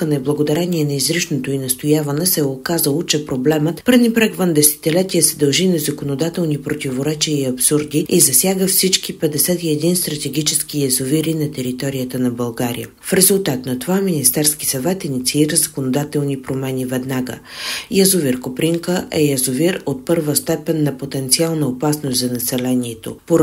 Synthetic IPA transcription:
kənɐɛblˠəɡod̪ɐɾɛniɛnɐizɾiʃnot̪oinɐst̪ojavɐnɛsɛokazəlˠot͡ʃɛpɾoblɛmət̪pəɾvnipɾaɡvənd̪ɛsɛ̥t̪ʲilɛt̪ijəsɛd̪ɐlˠʒinɐzɐkonod̪at̪ɛlˠnipɾot̪ivoɾɛt͡ʃiiɐpsuɾd̪iizɐsʲjaɡəfsit͡ʃkipɛd̪ɛsɛt̪iɛd̪inst̪ɾɐt̪ɛɡit͡ʃɛskijɐzoviɾinɐt̪ɛɾit̪ɔɾijət̪ənɐbɐlˠɡaɾḭjə̰ | fɾɛzulˠt̪at̪nɐt̪ovaminist̪ɛɾski̥sɐvɛt̪init̪siiɾəzəkonod̪at̪ɛlˠnipɾomɛnivɛd̪naɡə̰ | jɐzuviɾkopɾiŋkəʔɛjɐzoviɾot̪̚pɤɾvəst̪ɛpɛnːɐpot̪ɛnt̪sialˠnəopasnoszɐnɐsɛlɛnʲiɛt̪o̰poɾ

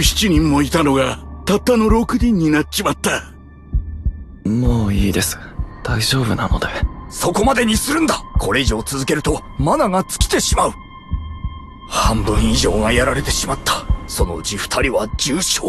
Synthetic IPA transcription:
çi̥t͡ɕiɲ̟ĩmːo̞it̪ano̞ɡat̪at̪ːano̞ɾo̞kɯ̟d̪ʲĩɲ̟ːinat͡ɕimat̪ːa | moːiːd̪e̞sɨ̥d̪̥aiʑo̞ːbɯ̟na̰no̞̰d̪eso̞ko̞mad̪e̞ɲ̟isɨɾɯ̟̃nd̪akʰo̞ɾe̞iʑio̞t͡sɨzɨke̞ɾɯ̟t̪o̞ | manaɡat͡sɨ̥kʲi̥t̪e̞ɕimaɯ̟ | hãmbɯ̟̃ɰ̃iʑo̞ːŋajaɾaɾe̞t̪e̞ɕimat̪ːḁso̞no̞̰d͡ʑiɸɯ̥t̪ʰaɾʲiβad͡ʑɨːɕoː

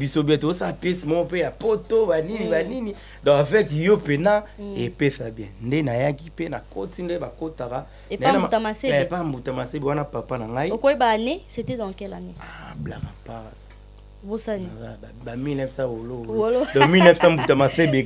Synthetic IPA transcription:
bisobiɛtozosalapjɛsimɔkɔpejapotobaninibanini | dɔ̃avɛkijopenaepesabjɛ̃ndenajakipenakotindebakotaka | naatamasepam̩butamasebwanapapanaŋɡaiokoebanesetɛdɔ̃kɛlaneablakapa | bosaiabamilnɛfsawoloolodɔmilnɛfsãm̩butamasebe

